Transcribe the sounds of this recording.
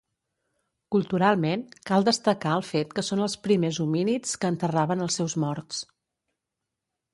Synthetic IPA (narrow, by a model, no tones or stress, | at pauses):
kulˠt̪uɾalˠmenkalˠd̪əst̪əkaəlˠfet̪kəsonəlˠspɾimezuminit͡skəːnt̪əraβənəlˠsɛwzmɔɾt̪s